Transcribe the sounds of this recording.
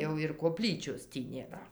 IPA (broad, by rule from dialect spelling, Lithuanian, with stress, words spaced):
jɛʊ ɪr koːˈpʲlʲiːt͡ʃʲoːs ˈtʲiː nʲeːˈrɐ